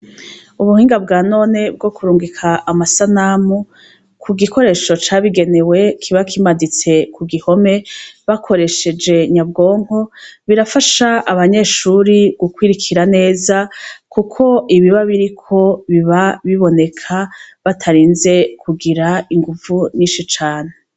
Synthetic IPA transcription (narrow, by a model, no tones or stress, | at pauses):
uβuhiːŋɡabɡaːno̞ːne̞b̚ɡo̞kuɾuːŋɡikʰaʔːmasanamu | kʰuɡiko̞ɾe̞ːʃo̞t͡ʃaβiɡe̞ne̞we̞kʰiβakʰimadit͡se̞kʰuɡiho̞me̞βakʰo̞ɾe̞ʃe̞d͡ʒe̞ɲabɡo̞ːŋ̥ho̞βiɾafaʃaʔaβaɲe̞ːʃuɾiɡ̥ukwiːɾikʰiɾane̞ːzakukʰo̞iβiβaβiɾikʰo̞βiβaβiβo̞ne̞kʰaβatʰaɾiːnze̞kʰuɡiɾaiŋɡuvuɲiːʃit͡ʃaːne